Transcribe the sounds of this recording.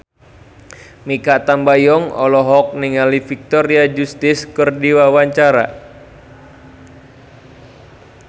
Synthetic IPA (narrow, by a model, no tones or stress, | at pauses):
mikat̪ambajɔŋɔ̰lɔɦɔk̚niŋalifik̚t̪ɔɾiad͡ʒust̪ɪskərdiwawaɲt͡ʃaɾa̰